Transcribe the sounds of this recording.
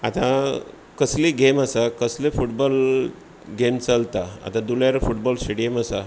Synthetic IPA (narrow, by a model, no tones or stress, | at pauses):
at̪ã | kəsliɡeməsakəslefuʈbɔl | ɡemt͡səlt̪aa̰t̪ãd̪uljaɾfuʈbɔlsʈeɽiəməsa